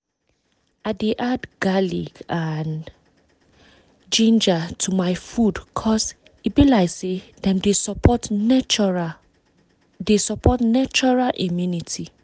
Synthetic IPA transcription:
adeʔadɡalḭkan | d͡ʒĩnd͡ʒatʰumaɪfudkʰɔs | ibilaɪzsedɛ̃mdesɔpɔt | desɔpɔtnat͡ʃɔɹalʔimjunitʰi

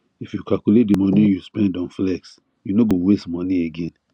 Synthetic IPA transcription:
ifjukalkulet̚dimɔnijuspɛ̃ndɔ̃nflɛks | junoɡõwestmɔnieɡẽn

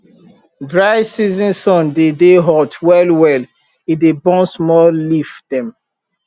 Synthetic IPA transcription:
dɹajsizĩnsɔ̃ndedeɦɔtwɛlwɛl | idebɔ̃nsmɔlifd̥ɛ̃m

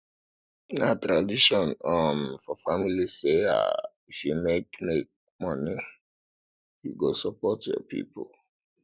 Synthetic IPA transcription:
natɾadiʃɔ̃nɔnfɔfamilisea̰ | ʃimekmek̚ | mɔni | hḭɡosɔpɔtjɔ̰pḭpo̰l

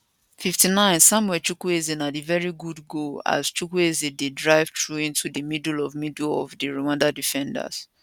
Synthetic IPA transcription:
fiftinãɪ̃nsãmwɛt͡ʃukuezĩnatevɛɹiɡudɡoa̰z̥t͡ʃukuezidedɹaɪv̥tɹuĩntudəmidlɔvmidɔ̰vdiɹowãndadifɛ̃nda̰s

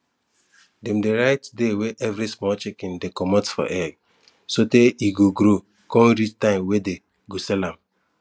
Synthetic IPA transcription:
demdeɾaɪtdeweʔɛvɾismɔt͡ʃekɪ̃ndekɔmɔ̃tsfɔ̰ʔɛɡ | soteiɡoɡɾo | kɔ̃ɾit͡ʃtãɪ̃mwede | ɡosɛlãm

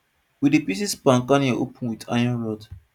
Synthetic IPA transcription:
widipisispãŋkaniaʔopə̃nwida̰jɔ̃nɹɔd

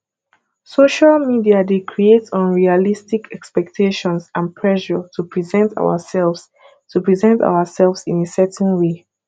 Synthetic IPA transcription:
soʃalmidiadekʰɹietsɔ̃nɹialistikʰɛkspɛk̚tʰeʃɔ̃nsãnpʰɹɛʃɔtʰupʰɹizɛ̃ntʰa̰wə̰sɛlvs | tupɹizɛ̃ntʰa̰ʊəsɛlˠvsĩnesɛtnwe

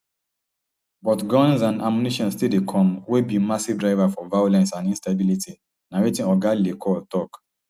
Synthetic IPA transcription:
bɔtɡɔ̃nzãnamjuniʃɔ̃nstildekʰɔ̃mwebimasivdɹaɪvafɔvajolɛ̃nsãnĩnstabilitʰi | nawetĩnɔɡalilekʰɔltɔk

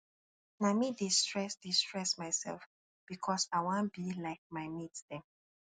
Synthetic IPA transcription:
namidistɹɛsdistɹɛsmaɪsɛ̰lf | b̥ikʰɔsaɪwãnb̥ilaɪk̚maɪmitdɛ̃n

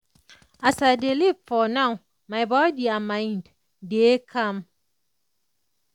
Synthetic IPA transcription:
asadelifɔnãw | maɪbɔdiamãɪnd | dekʰam

